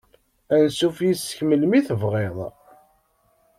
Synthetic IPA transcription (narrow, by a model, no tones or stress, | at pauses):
ænsufjisə̥çməlmiθəvʁeðˤ